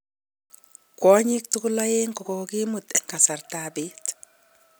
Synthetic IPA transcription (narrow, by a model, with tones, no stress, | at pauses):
kwɔ˦ɲi˦k̚tu˦ku˦la˦je˦ŋkɔ˨kɔki˦mu˨tɛ˨ŋka˨sa˨rtabi˦t